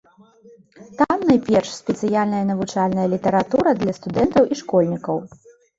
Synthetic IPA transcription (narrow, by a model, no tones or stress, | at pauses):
t̪amnajpʲɛrʂsʲpʲɛt̪sɨjalʲnɐjɐnɐvut͡ʂalʲnɐjɐlʲit̪ɐɾat̪uɾɐd̪lʲɐst̪ud̪ɛnt̪ɐwʔiʂkɔlʲnʲikɐw